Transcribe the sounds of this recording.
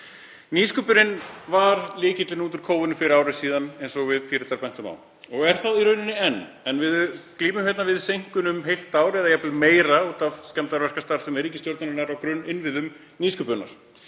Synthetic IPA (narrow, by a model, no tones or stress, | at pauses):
niːskʏpʏɾɪnvaɾlɪːcɪt̪lɪnuːt̪ʏɾ̥kʰoːwvʏnɪfɪɾɪɾaːwɾɪ̥siːðanejnsɔɣvɪðpʰiːɾɪt̪aɾpɛn̥t̪ʏma̰wn | ɔɣɛɾ̥θaðiɾœɥnɪnɪɛnː | ɛnvɪðkliːmʏmçjɛt̪navɪðsejŋ̥kʏnʏmɦejl̥t̪ːaːwɾɛðajɛplɪmeːjɾauːt̪avscɛmt̪aɾvɛr̥kast̪aɾ̥sɛmɛɾiːcɪst̪jowɾt̪naɾɪnaɾawkɾʏnːɪnvɪðʏm | niːskʏpʏnːa̰ɾ̥